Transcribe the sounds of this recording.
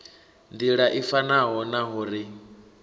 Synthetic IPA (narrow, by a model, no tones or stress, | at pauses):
ndiɺaʔifanaɦɔnaɦuɾi